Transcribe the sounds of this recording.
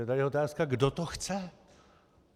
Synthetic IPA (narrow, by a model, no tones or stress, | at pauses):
ɛt̪aliot̪aːskaɡdot̪oxt͡sɛ